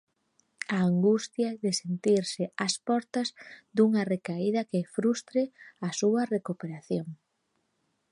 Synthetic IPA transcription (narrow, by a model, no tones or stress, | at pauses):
aːŋɡust̪jɐðɪsent̪iɾsɪaspɔɾt̪ɐzd̪uŋɐrekaiðɐkɪfɾust̪ɾeɐsuɐrekupeɾaθjoŋ